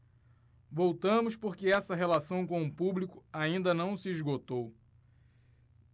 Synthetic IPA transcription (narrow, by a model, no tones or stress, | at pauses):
vowt̪ɐ̃mʊspoɾkɪɛsɐɦelasɐ̃w̃kõʊpublikʊaĩnd̪ɐnɐ̃w̃sɪizɡot̪ow